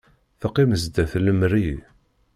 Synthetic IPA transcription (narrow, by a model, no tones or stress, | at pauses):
θəqːiməzd̪æθləmɾi